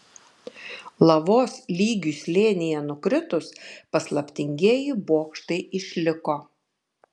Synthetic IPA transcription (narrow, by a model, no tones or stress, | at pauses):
lˠɐʋoːslʲiːɡʲuslʲeːnʲɪjɛnʊkɾʲɪt̪ʊspɐslˠɐpʲt̪ʲɪŋʲɡʲeɛjɪboːkʃt̪ɐɪɪʃʲlʲɪkoː